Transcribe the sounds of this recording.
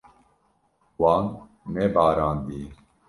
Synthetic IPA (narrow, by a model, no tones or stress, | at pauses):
wɑːnː | ɛbaːɾɑːnd̪iː